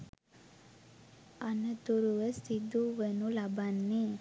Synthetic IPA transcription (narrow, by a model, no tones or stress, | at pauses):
anət̪uɾuʋəsid̪uʋənulabanːe